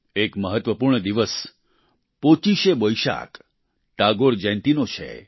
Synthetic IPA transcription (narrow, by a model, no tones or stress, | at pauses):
ekməɦət̪ʋəpuɾɳəd̪iʋəs | pot͡ʃiʃebojʃa̰k | ʈ̪aɡoɾd͡ʒɛ̃nt̪inot͡ʃʰḛ